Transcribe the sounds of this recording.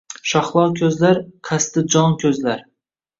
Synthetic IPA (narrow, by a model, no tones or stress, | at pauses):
ʃɒχlˠɒkʲʰɵzlaɾqʰast̪ɪd͡ʒɒŋkʲʰɵzlaɾ